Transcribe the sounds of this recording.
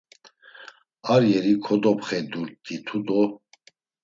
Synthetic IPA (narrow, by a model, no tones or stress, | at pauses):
aɾjɛɾikʰɔd̪ɔpχɛd̪uɾt̪̚ːit̪ʰud̪ɔ